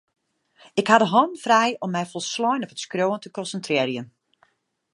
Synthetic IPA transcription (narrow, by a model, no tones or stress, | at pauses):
ɪkhadəɦɔnfrɛjɔmːɛjfɔlˠslɔjnɔpətskroːəntəkɔnsəntrɪərjən